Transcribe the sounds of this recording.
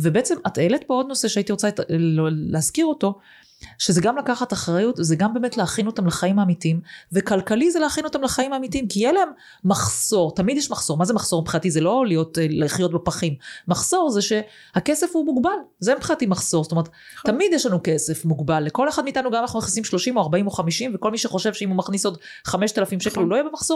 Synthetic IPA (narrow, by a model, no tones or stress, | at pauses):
vebeet͡semat̪eletbeo̞d̪no̞seʃeaitiʁo̞t͡sa | leazkiʁo̞to̞ | ʃezeɡamlakaχataχʁajutzeɡambe̞metleaχino̞tamlaχaimaːmitimvekalkalizeleaχino̞tamlaχaimaːmitimkijeleemː | aχso̞ʁtamid̪jɛʃmaχsoʁmazemaχso̞ʁpχiatizelo̞lijo̞tleχjo̞tbepaχimːaχso̞ʁzeʃe̞ | hake̞sefhumuɡbalzempχiatimaχsoʁstomeet̪ | tːamidjeʃlanukese̞fmuɡbalːekoleχad̪miːt̪anuɡamanaχnumaχnisimʃlo̞ʃimoaʁbaimoχamiʃimveko̞lmiʃeχo̞ʃevʃeimumaχniso̞d | χameʃt̪alafimʃekeluloijebemaχso